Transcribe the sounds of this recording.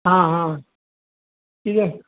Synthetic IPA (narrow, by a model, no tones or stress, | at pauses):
ɦãɦã | ʈʰike